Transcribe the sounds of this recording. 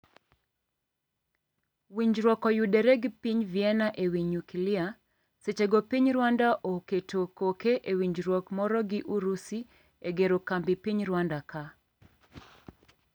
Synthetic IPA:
wiɲd͡ʒɾwɔkɔjudɛɾɛɡpiɲviɛnaʔewiɲukilɪa | set͡ʃeɡopiɲɾwandaʔoketokokeʔewiɲd͡ʒɾwɔkmɔɾɔɡɪʔuɾusi | eɡeɾokambipiɲɾwandaka

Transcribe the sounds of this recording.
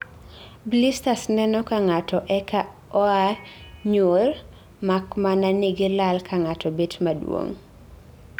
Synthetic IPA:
blistasnɛnɔkaŋatɔʔɛka | ɔaɲor | makmananiɡɪlalkʰaŋatɔbetmadwo̰ŋ

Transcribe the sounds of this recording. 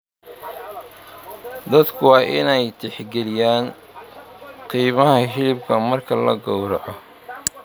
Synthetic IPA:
d̪ɐd̪kʰʊwɑːʔɪ̰nɛjt̪ʰɛħɡɛlɪjaːn | qiːmɐɦɐɦɪlɪb̚kʰɐmɐrkʰɐlɐ̰ɡɔwɾɔ̰ʔɐ

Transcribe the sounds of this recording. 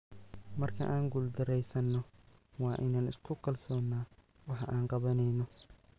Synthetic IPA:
mɐrkʰɐ̰ʔaːŋɡuld̪ɐɾɛjsɐnːɔwɑːʔɪnaːnɪ̰skʰʊkʰɐlsɔːnːaː | wɑħɑʔaːɴqɑβɐnɛjnɔ

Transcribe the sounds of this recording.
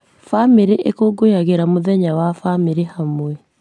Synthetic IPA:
famiɾiʔḛkoɡojaɣeɾamoðɛɲawafamiɾehamwɛ

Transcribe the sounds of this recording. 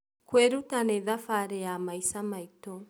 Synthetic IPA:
kweɾutanɛðafaɾɛjamaisamaitɔ

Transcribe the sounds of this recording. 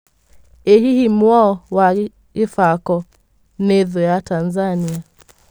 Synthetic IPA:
ɛhɦihimwɔɔwa | ifakɔ | nɛðɔjatanzania

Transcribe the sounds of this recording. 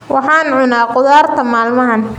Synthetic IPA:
wʔɑħɑːnʕʊnaːqʊðaːrt̪ʰɐmaːlmɐɦɐn

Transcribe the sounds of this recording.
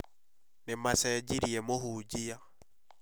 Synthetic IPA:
nemasɛd͡ʒiɾiɛmoɦud͡ʒia

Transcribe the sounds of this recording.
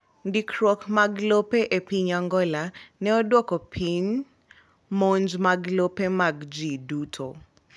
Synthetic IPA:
ndikɾɔkmaɡlopeʔepiɲaŋɡɔlanɛɔdwɔkɔpʰiɲ | moɲd͡ʒmaɡlopemaɡd͡ʒidutʰo̰

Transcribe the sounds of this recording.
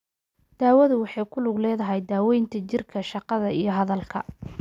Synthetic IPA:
d̪̥aːwɐðʊwɑħɑjkʰʊlʊɡlɛːðɐɦɛjd̪aːwɛjnt̪ʰɐt͡ʃɪrkʰɐʃɑqɑðɐijɞɦɐðɐlkʰɐ

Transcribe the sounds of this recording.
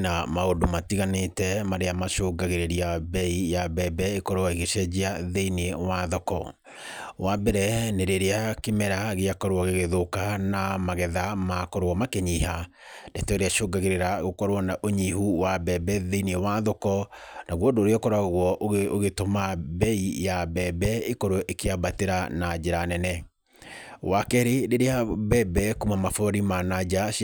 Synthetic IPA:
namaodomatiɣanetɛmaɾeamaʃoɡaɣeɾeɾiabɛijabɛbɛekɔɾowɔiɣeʃɛd͡ʑiaðeiniewaðɔkɔ | wabɛɾɛneɾeɾeakemɛɾaɣeakɔɾoɔɣeɣeðokanamaɣɛðamakɔɾwɔmakeɲiːha | datɛɛɾeaʃoɡaɣeɾeɾaɣokɔɾwɔnaʔoɲihuwabɛbɛðeiniɔwaðokɔnaɣwɔdoːɾeɔkɔɾaɣwɔʔooɣetomabɛijabɛbɛekoɾoʔekeabateɾanad͡ʑeɾanɛnɛ | wakɛɾeɾeɾeabɛbɛkumamafɔɾimanad͡ʑa

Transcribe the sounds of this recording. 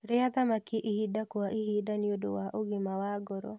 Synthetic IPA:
ɾɪat̪amakɪʔihidakwaʔihidaniodo̰waʔoɡɪmawaɡɔɾɔ̰

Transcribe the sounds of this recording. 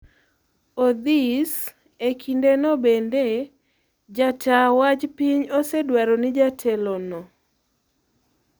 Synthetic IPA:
od̪is | ekʰindenɔbende | d͡ʒatawad͡ʒpiɲosedwaɾɔnɪd͡ʒatʰɛlɔnɔ

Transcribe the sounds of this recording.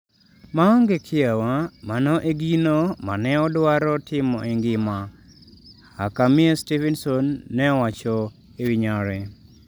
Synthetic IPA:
maɔŋɡekʰɪawamanɔʔeɡinoma̰nɛɔdwaɾɔtʰɪmɔʔeŋɡɪma | akamiestivɛnsɔnːɛɔwat͡ʃɔ | ewiɲaɾɛ

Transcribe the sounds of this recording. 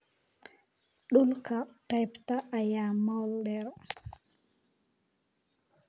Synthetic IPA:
ɗulkatajptaʔːjamɔlɗɛɾ

